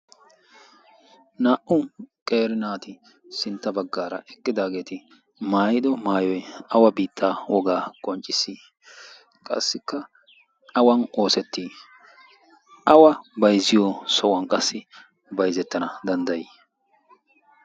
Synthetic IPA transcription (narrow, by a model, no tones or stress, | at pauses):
naːʔʊkʼe̞ːɾɪnaːt̪ɪ | sɪnt̪ːɐbɐɡːaːɾɐ̰ʔɛkːɪd̪aːɡe̞ːt̪ɪ | maːjɪd̪ɔmaːjɔjɐwɐbiːt̪ʰːaːwɔɡaːkʼɔnt͡ʃʼːɪsːiː | kʼɐ̰sːɪkːɐ | ɐwɐno̞ːsɛt̪ːiː | ʔɐwɐbɐjzɪjɔsɔwɐnkʼɐsːɪ | bɐjzɛt̪ːɐnɐd̪ɐnd̪ɐji